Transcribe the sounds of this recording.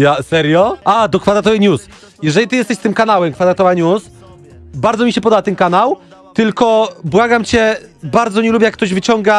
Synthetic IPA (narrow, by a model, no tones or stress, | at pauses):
jasɛɾjɔad̪ɔkfad̪ɾat̪ɔvɛɲus | jɛʐɛlʲit̪ɨjɛst̪ɛɕst̪ɘmkanawɛmkfad̪ɾat̪ɔvaɲus | baɾd̪zɔmʲiɕɛpɔd̪ɔbat̪ɛnkanaw | t̪ɘlkɔbwaɡamt͡ɕɛbaɾd̪zɔɲɛlubʲjɛjakt̪ɔʑvɘt͡ɕɔŋɡa